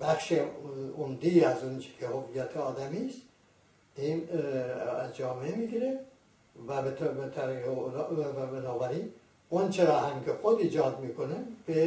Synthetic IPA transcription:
b̥æxʃeomd̪iæzunt͡ʃʰe̥kʰehovijæt̪ʰeɒːd̪æmist̪ | in | æzd͡ʒɒːmeemiɡiɾe | væbet̪bet̪ʰæɾielæbenɑːvæɾi | ont͡ʃʰeɾɒːhæmkʲʰexod̪iːd͡ʒɒːd̪miːkʰonemb̥e

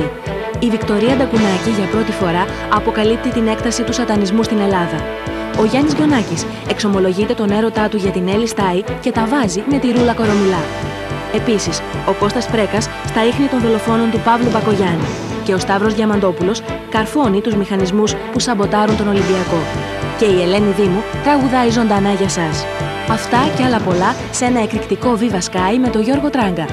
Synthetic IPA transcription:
ivikt̪o̞ɾiɐd̪ɐkunɐciʝɐpɾo̞t̪ifo̞ɾɐː | po̞kɐlip̚t̪it̪ine̞kt̪ɐsit̪usɐt̪ɐnizmust̪ine̞lɐðɐ | o̞ʝɐnizʝo̞nɐcis | e̞kso̞mo̞lo̞ʝit̪e̞t̪o̞ne̞ɾo̞t̪ɐt̪uʝɐt̪ine̞list̪ɐice̞t̪ɐvɐzime̞t̪iɾulɐko̞ɾo̞mulɐ | e̞pisiso̞ko̞st̪ɐspɾe̞kɐsːt̪ɐixnit̪o̞nðolo̞fo̞no̞nt̪upɐvlubɐko̞ʝɐni | ce̞o̞st̪ɐvɾo̞zʝɐmɐnd̪o̞pulo̞s | kɐɾfo̞nit̪uzmixɐnizmuspusɐbo̞t̪ɐɾunt̪o̞no̞limbiɐko̞ | ce̞ie̞le̞niðimut̪ɾɐɣuðɐizo̞nd̪ɐnɐʝɐsɐs | ɐft̪ɐceɐlɐpo̞lɐ | se̞nɐe̞kɾikt̪iko̞vivɐskɐime̞t̪o̞ʝo̞ɾɣo̞t̪ɾɐŋɡɐ

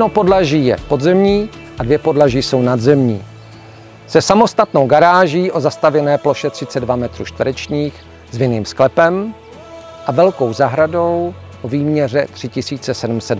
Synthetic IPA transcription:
jɛnopo̞dlaʒiːjɛ̰po̞d̪zɛmɲiː | ʔadvjɛpo̞dlaʒiːso̞wnad̪zɛmɲiː | sɛsamo̞st̪at̪no̞wɡaɾaːʒiːʔo̞zast̪avjɛnɛːplo̞ʃɛt̪r̥ɪt͡sɛdvamɛt̪ɾuːʃt̪vəɾɛt͡ʃɲiːx | zvɪniːmsklɛpɛm | ʔavɛlko̞wzaɦɾado̞w | ʔoviːmɲɛr̝ɛt̪r̥ɪcɪsiːt͡sɛsɛdm̩sɛd

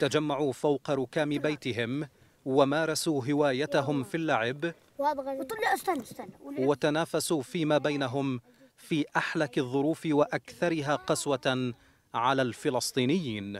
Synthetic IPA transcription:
t̪ad͡ʒamːaʕuːfawqɑɾʊkaːmɪbajt̪ɪɦɪm | wamaːɾˤɑsuːɦɪwaːjat̪aɦʊmfilːaʕɪb | t̪ˤlː | wat̪anaːfasuːfiːmaːbajnaɦʊm | fiːʔaħlakɪðˤːʊɾuːfɪwaʔakθɑɾɪɦaːqɑswa | ʕalaːlfɪlɑsˤt̪ˤiːnɪjːiːn

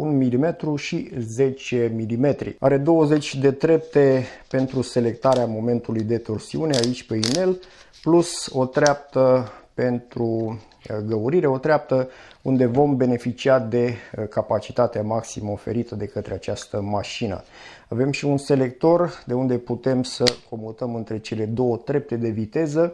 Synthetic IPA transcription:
unmilime̞t̪ɾuʃize̞t͡ʃe̞milime̞t̪ɾḭa̰ɾe̞d̪o̞wəze̞t͡ʃʲd̪e̞d̪ɾe̞p̚t̪e̞pe̞nt̪ɾuse̞le̞k̚t̪aɾeamo̞me̞nt̪ulujd̪e̞t̪o̞rsiune̞ait͡ʃʲpe̞ine̞l | pluso̞t̪ɾeap̚t̪əpe̞nt̪ɾu | ɡəuɾiɾe̞o̞t̪ɾeap̚t̪əund̪e̞vo̞mbe̞ne̞fit͡ʃiad̪e̞kapat͡ʃi̥t̪at̪eamaksiməo̞fe̞̰ɾit̪əd̪e̞kət̪ɾe̞at͡ʃast̪əmaʃinə̰ | ave̞mʃiunse̞le̞k̚t̪o̞rd̪e̞und̪e̞put̪e̞msəko̞mut̪əmɨnt̪ɾe̞t͡ʃe̞le̞d̪o̞wət̪ɾe̞p̚t̪e̞d̪e̞vit̪e̞zə

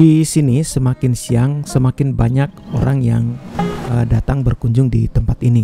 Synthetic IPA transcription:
disinisəmakɪnsiaŋsəmakɪnbaɲak̚o̰ɾaŋjaŋədat̪aŋbərkuɲd͡ʒʊŋdit̪əmpat̪ini

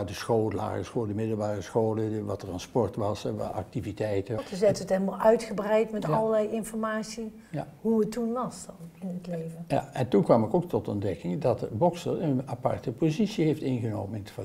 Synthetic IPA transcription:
dəsχoːlˠəla̰ːχəsχoːlˠədəmɪdəlˠbaːrəsχowləʋɑtəranspɔɹtʋɑsʋɑ̰ɑ̰k̚tivitɛjtətəzɛtəətɛɪlmalˠœɥtχəbrɛjtmɛtɑləlɛjɪnfɔrmaːsi | ja | ɦuətːunʋɑsɪnətlejvəa̰ɛntunkʋɑmɪkowk̚tɔtɔ̰ndɛkɪŋdɑtbɔksərənapɑ̰rtəpozitsiɦeftɪnɣənowmənɪnəf

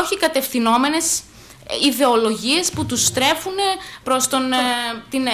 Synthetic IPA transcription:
oçikɐt̪e̞fθino̞me̞ne̞s | iðe̞o̞lo̞ʝie̞sput̪ust̪ɾe̞fune̞pɾo̞st̪o̞nt̪in

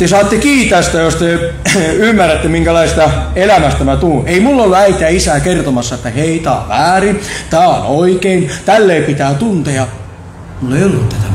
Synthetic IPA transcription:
t̪esɑːt̪ːekiːt̪ːæst̪æjost̪e | ymːærːæt̪ːemiŋkælɑise̥st̪ɑelæmæst̪æmæt̪uːeimulːolːuæit̪eæisæːkert̪omɑsːɑet̪ːæheit̪æ̰ːo̰ʋæːrit̪æːo̰noikeint̪ælːeipit̪æːt̪unt̪ejɑ | mulːeiolːut̪ːæt̪æ

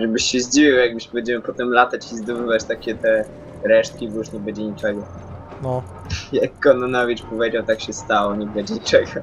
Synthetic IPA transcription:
ʐɛbɘɕɕɛʑd͡ʑivʲiwjaɡ̚bɘɕbbɛɲd͡ʑɛmɘpɔt̪ɛmlat̪at͡ɕizd̪ɔbɘvat͡ɕt̪akʲɛt̪ɛ | ɾɛʂt̪̚kʲibɔjuʂɲɛbɛd͡ʑɛɲit͡ʂɛɡɔ | nɔ | jakːɔnɔnɔvʲit͡ʂpɔvʲjed͡ʑawt̪akɕɛst̪awɔɲɛbɛd͡ʑɛɲit͡ʂɛɡɔ

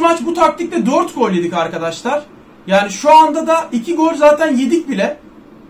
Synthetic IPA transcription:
mat͡ʃbut̪ʰak̚t̪ʰiclʲɛd̪øɾt̪ɡolʲded̪ikaɾkad̪aʃlˠaɾ̥ | jaːniʃuand̪ad̪aʔicʰiɡo̞ɾzaːt̪ʰænje̞d̪ic̚bilʲɛ

